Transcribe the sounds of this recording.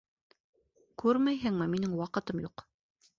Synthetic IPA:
kʉɾmæjɦɘŋmɘminɘŋwɑqɤ̆t̪ɤmjuq

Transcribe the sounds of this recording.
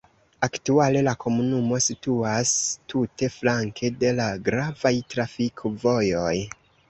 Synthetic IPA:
aktuale̞lako̞munumo̞situastute̞flaŋkʰe̞de̞laɡɾavajtɾafikʰovo̞jo̞j

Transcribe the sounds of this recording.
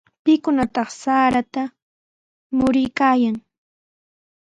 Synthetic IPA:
pɪkʊnat̪ɑχsaːɾat̪a | mʊɾɪjkaːjaŋ

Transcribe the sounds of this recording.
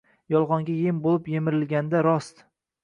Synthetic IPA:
jɒlˠʁɒŋɡʲajembolˠɪpjemɪɾɪlɡʲand̪aɾɒst̪

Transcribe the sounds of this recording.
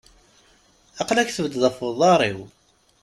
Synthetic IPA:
ɑqlæçθəvəd̪ðˤəfəðˤɑɾˤiw

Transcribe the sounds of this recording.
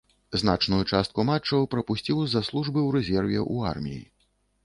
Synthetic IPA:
znat͡ʂnujut͡ʂast̪kumat͡ʂːɐwpɾɐpusʲt͡sʲiwzɐslˠuʐbɨwɾɛzʲɛrvʲɛʔua̰rmʲḭjḭ

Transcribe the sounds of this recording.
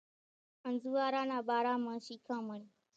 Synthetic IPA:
ʔɐnzuwaːɾaːnaːbaːɾaːmaʃiːkʰãmɐni

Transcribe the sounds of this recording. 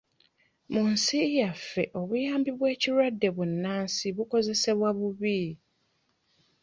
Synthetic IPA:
mʊ̃n̩sɪjafɛ̰ʔɔwiambibʊɛt͡ɕʰiɾadɛbʊ̃n̩nãnsɪbʊkʰɔzɛsɛbʊabʊbiː

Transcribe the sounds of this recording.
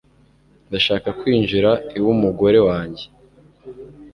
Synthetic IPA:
ndaʃaːkakwiːnʒiɾaiwumuɡo̞ɾe̞waːɲɟe

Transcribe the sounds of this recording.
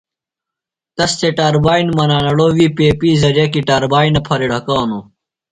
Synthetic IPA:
t̪ɐst̪eʈaːɾbaːinmɐnaːnɐɽoːwiːpeːpiːzɐɾekiʈaːɾbaːinɐpʰɐɾiɽʱɐkaːnu

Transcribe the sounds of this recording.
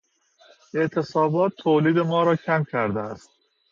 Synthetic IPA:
e̞ʔt̪ʰe̞sɒːbɒːt̪ʰːoːliːd̪e̞mɒːɾɒːcʰæmcʰæɾd̪eæst̪̚

